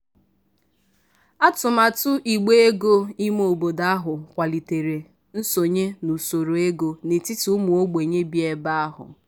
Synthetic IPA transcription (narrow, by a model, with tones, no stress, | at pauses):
a˦tʊ˨ma˨tʊ˦ʔi˨ɡ͡be˦e˦ɡo˦i˦m˦o˨bo˨da˦a˦ɦʊ˨kʷa˨li˨te˨ɾe˨ | n̩˦so˨ɲe˦nu˨so˨ɾo˨e˦ɡo˨ne˨ti˦tu˨˦mu˨o˦ɡ͡be˨ɲe˦bi˦e˦ba˦a˦ɦʊ̰˨